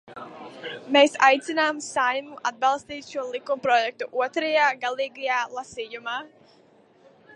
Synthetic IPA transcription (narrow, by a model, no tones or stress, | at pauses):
meːsa̰jt̪sinaːmsajmuʔa̰d̪̚balˠst̪iːt̪ʃuɔlˠikumpɾɔjɛk̚t̪uʔuɔt̪ɾajaːɡalˠiːɡajaːlˠasiːjumaː